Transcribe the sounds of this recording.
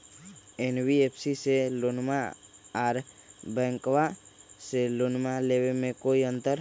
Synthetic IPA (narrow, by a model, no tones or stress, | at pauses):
enwiepʰsiselonmaaːɾbɛ̃ːŋkwaselonmalewemẽkoiə̃nt̪əɾ